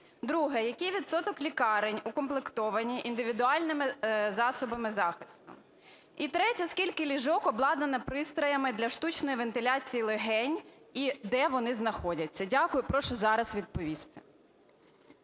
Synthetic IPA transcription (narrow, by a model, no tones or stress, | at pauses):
d̪ɾuɦɛjɐkejʋʲit̪sɔt̪ɔklʲikɑɾɪnʲʊkɔmplˠekt̪ɔʋɐnʲiʔind̪ɪʋʲid̪ʊɑlʲnɪmɪzɑsɔbɐmɪzɑxɪst̪ʊ̰ | it̪ɾɛtʲɐskʲilʲkɪlʲiʒɔkɔblˠɑd̪ɐnɐpɾɪst̪ɾɔjɐmɪd̪lʲɐʃt̪ut͡ʃnɔjiʋent̪ɪlʲat͡sʲijilˠeɦɛnʲ | id̪ɛʋɔnɪznɐxɔdʲɐt͡sʲːɐdʲakʊjʊpɾɔʃɔzɑɾɐsʋʲid̪̚pɔʋʲist̪ɪ̥